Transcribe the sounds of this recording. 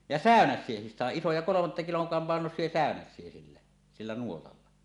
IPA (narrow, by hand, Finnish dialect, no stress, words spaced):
jɑ sæˑønæsˑiehis sɑˑeʔ ʔisojɑ kolomɑtːɑ kiloŋ k pɑˑenosˑie sæˑønæsˑie silːæ silːæ nuotɑlːɑ